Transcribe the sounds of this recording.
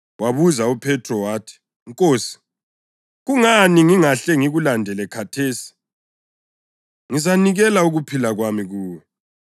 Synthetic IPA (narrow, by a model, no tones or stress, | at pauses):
waβuzaupʰɛtʰʼrɔwaːtʰi̥ | ŋkʼoːsi̥ | ɣuŋaniŋiŋaɬɛŋiɣulandʱɛlɛkʰatʰeːsi̥ | ŋizaniɣɛlauɣupʰilaɣwamiɣuːwɛ